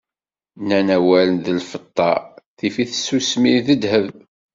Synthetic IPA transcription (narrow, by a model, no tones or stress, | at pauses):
nænæwælənðəlfət̪ˤːɑ̰θifiθəsːusmiðəd̪həv